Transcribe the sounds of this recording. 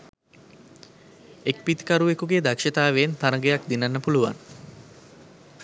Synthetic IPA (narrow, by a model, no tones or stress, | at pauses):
ek̚pit̪kaɾuʋekuɡed̪akʃət̪aːʋent̪aɾəɡejak̚d̪inanːəpuluʋa̰n